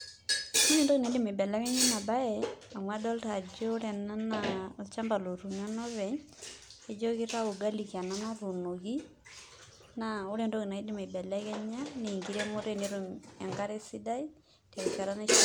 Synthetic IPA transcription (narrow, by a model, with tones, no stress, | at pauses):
u˦ne˨ndo˦ki˨na˨i˦di˦me˨bɛ˨lɛ˦kɛ˦ɲa˦na˨ba˦jɛa˨mwa˦dɔ˦lta˨d͡ʒɔ˦ɾɛ˨na˦naɔ˨lt͡ʃa˦mba˨lo˨ɾu˨ɲa˦nɔ˦βɛ˨ɲ | e˦d͡ʒo˦ki˦ɾa˦u˨ɡa˦li˨ki˨a˨na˦na˦ɾu˨no˨ɡi˦ | naʊ˦ɾɛ˨nto˦ki˨na˨i˦di˦me˨bɛ˨lɛ˦kɛ˦ɲa˦ni˨ŋɡiɾa˦mo˦ɾe˦ni˦ɾumɛ˨ŋɡa˦ɾe˦si˦da˦i | tɛ˨t͡ʃa˨ɾa˦na˦